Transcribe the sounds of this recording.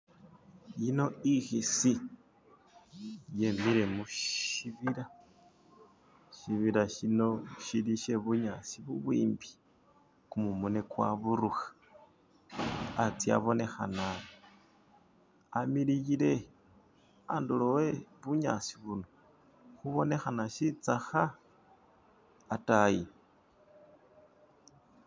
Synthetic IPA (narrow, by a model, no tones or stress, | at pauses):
ino̞ixisi | je̞miɾe̞muʃiβiɾa | ʃiβiɾaʃino̞ʃiɾiʃe̞βuɲat͡siβuβwiːmbi̥ | kumumunekwa̰βuɾuxḁ | t͡sia̰βo̞ne̞xana | milijile̞ | anduloweβuɲa̰t͡si̥βuno | xuβo̞ne̞xanaʃit͡saxa | taji